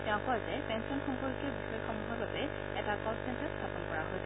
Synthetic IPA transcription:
tɛ̃ʊ̃kɔjzɛpɛnsɔnxɔŋkɔɹkiɔbixɔjɔxɔmuɦɔɹbabɛ | ɛtakɔssɛntaɹstʰapɔnkɔɹaɦojsɛ

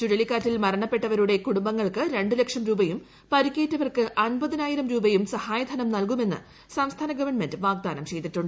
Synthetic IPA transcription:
tuɽɐlikːaːtːilmɐɾɐɳɐpːe̞ʈːɐʋɐɾuɽe̞kuɽumbɐŋːɐɭkɨɾe̞ɳɖɨlekʂɐmɾuːbɐjum | pɐɾikʲːeːtːɐʋɐrkɨʔɐnbɐðinaːjiɾɐmɾuːbɐjumsɐhaːjɐd̪ʱɐnɐmnɐlkume̞nːɨ̰ | sɐmst̪ʰaːnɐɡɐʋɐrɳme̞ndɨʋaːɡ̚d̪aːnɐmt͡ɕe̞jd̪iʈːuɳɖɨ

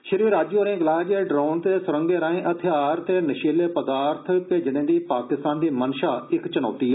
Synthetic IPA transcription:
ʃɪɾʋiːɾaːd͡ʒjoːɾẽːɡlaːd͡ʒeːɖɾaːnt̪eːsʊɾə̃ŋɡeːɾãːẽːʔət̪ʰeaːɾt̪eːnəʃeːleːpəd̪aːɾt̪ʰpeːd͡ʒɪnẽːd̪iːpaːkɪst̪aːnd̪iːmənʃaːɪkt͡ʃənɔ̰ːt̪iːɦɛː

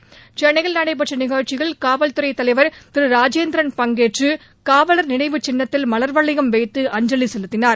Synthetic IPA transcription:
t͡ʃɛnːɐɣɐɭnɐɽɐɪp̬ɐʈrɐnɪɣɐɻt͡ʃːɪɣɐɭkaːʋɐlt̪ɯɾɐɪt̪ːɐlɐɪʋɐɾt̪ɪɾɯɾaːd͡ʒeːnd̪ɾɐnpɐŋɡeːʈrɯ | kaːʋɐlɐɾnɪɳɐɪʋɯt͡ʃɛnːɐt̪ːɪlmɐlɐɾʋɐɭːɪɣɐmʋɛɪt̪ːɯʔɐɲd͡ʒɐlisɛlɯt̪ːɪnaːɾ

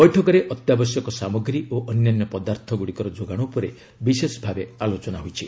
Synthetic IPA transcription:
bɔjʈʰɔkɔɾeʔɔt̪jabɔsjɔkɔsamɔɡɾioʔɔnjanːɔpɔd̪aɾt̪ʰɔɡuɽikɔɾɔd͡ʒoɡaɽ̃upɔɾe | bisesɔbʱabealot͡ʃɔnaɦujt͡ʃʰi

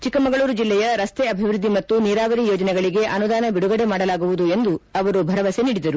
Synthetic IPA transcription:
t͡ʃikːɐmɐɡɐɭuːɾud͡ʒilːɛjɐɾɐst̪eɐbʱiʋɾud̪ʱːimɐt̪ːuniːɾaːʋɐɾijoːd͡ʒɐnɛɡɐɭiɡe̞ʔɐnud̪aːnɐbiɽuɡɐɽemaːɽɐlaːɡuʋud̪ue̞nd̪uɐʋɐɾubʱɐɾɐʋɐseniːɽid̪ɐɾu

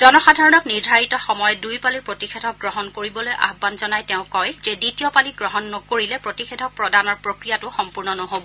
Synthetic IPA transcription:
zɔnɔxadʱaɹɔnɔkniɹdʱaɹitɔxɔmɔjɔdujpaliɹpɹotixedʱɔk̚ɡɹɔɦɔnkoɹibɔlojʔa̰xbanzɔnajtɛʊ̃kɔjzɛditiɔpaliɡɹɔɦɔnːɔkoɹilɛpɹotixedʱɔpɹɔdanɔɹpɹokɹijatʊxɔmpuɹnɔnɔɦobɔ

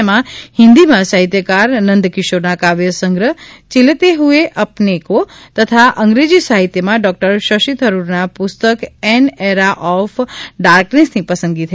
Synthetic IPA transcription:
mãhɪ̃nd̪imãsaɦit̪jəkaɾnənd̪kɪʃoɾnakaʋjəsəŋɡɾət͡ʃilt̪eɦueʔəpnekot̪ət̪ʰaʔə̃ŋɡɾed͡ʒisaɦit̪jəmãɖɔk̚ʈəɾʃəʃit̪ʰəɾuɾnapʊst̪əkɛneɾaʔɔfɖaɾknesnipəsə̃nɡit̪ʰə

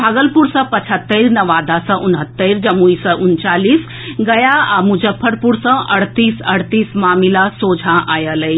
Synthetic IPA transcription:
bʱaːɡəlpuɾsɐ̃pɐt͡ʃʰət̪ːeɾnɐʋaːd̪asɐ̃ʔʊnɦət̪ːeɾd͡ʒɐmuisɐ̃ʔʊnt͡ʃaːliːs | ɡɐjaaːmud͡ʒəpʰːəɾpuɾsɐ̃ʔɐɽt̪iːsɐɽt̪iːsmaːmilasoːd͡ʒʱãʔaːjəlɐi

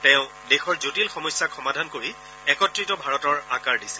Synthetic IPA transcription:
tɛ̃ʊ̃ | dexɔɹzotilxɔmɔjsːakxɔmadʱankoɹi | ɛkɔtɹitɔbʱaɹɔtɔɹakaɹdisɛ̥

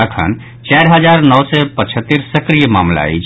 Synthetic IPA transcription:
əkʰə̰n | t͡ʃɛɾɦəd͡ʒaɾnəwsɛpət͡ʃʰət̪ːiɾsəkɾijəma̰mla̰ɛ̰t͡ʃʰ

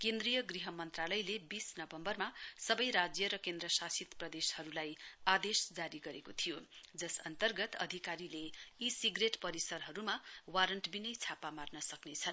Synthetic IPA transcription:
kend̪rijʌɡriɦʌmʌnt̪ralʌjlebisnʌbʌmbʌrmasʌbʌjɾad͡zjʌɾʌkend̪ɾʌsasit̪prʌd̪eshʌɾulajad̪esd͡zaɾiɡʌɾekot̪ʰijod͡zʌsʌnt̪ʌrɡʌt̪ʌ̰d̪ʱikaɾileisiɡreʈpʌɾisʌrɦʌɾumawaɾʌɳʈbinʌjt͡sʰapamarnʌsʌknet͡sʰʌn

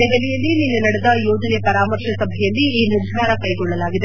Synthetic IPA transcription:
ɛɡɐlijɐlːininːunɐɽɛd̪ɐjɔːd͡ʒɐnepɐɾaːmɐɾʃɐsɐbʱɛjɐlːiiːnuɾd̪ʱaːɾɐkɐjɡɔɭːɐlaːɡid̪e

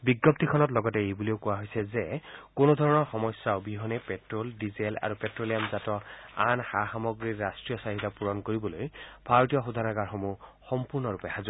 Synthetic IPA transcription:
biɡːɔp̚tikʰɔnɔtlɔɡɔtɛejbuleʊkuwaɦojsɛzɛkonod̪ʱɔɹɔnɔɹxɔmɔsːaʊbiɦɔnɛpɛtɹoldizela̰ɹupɛtɹolijamzatɔa̰nxaxamɔɡɹiɹːastɹijɔsaɦitapuɹɔnkoɹibɔlojbʱaɹɔtijɔxud̪ʱanaɡaɹxɔmuxɔmpuɹnɔɹupɛhazu

